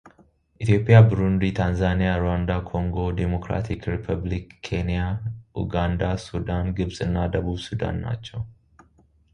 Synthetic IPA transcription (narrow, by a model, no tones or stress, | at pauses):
ʔɪt̪jo̞ːpʼɪjaːbʊɾʊnd̪iːt̪ʰaːnzaːnɪjaːɾʊwaːnd̪aːkʰɔŋɡo̞d̪ɛmɔkɾa̰ːt̪ʰɪkɾɪpʰɐblɪkʰːeːnɪjaːʔʊ̰ɡaːnd̪aːsud̪aːnɡɪbsʼɪnːaːd̪ɐbuːbsʊd̪a̰ːnːa̰ːt͡ʃːɐ